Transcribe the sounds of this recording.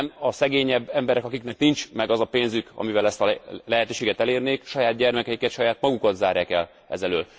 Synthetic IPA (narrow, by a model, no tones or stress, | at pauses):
mɒsɛɡeːɲɛbːɛmbɛɾɛkɒkiknɛknint͡ʃmɛɡɒzɒpeːnzykɒ̰mivɛlɛst̪ɒlɛɦɛt̪øːʃeːɡɛt̪ɛleːrneːkʃɒjaːd̪̚ɟɛrmɛkɛjikɛt̪ʃɒjaːt̪mɒɡukɒt̪zaːɾjaːkɛl | ɛ̰zɛløːl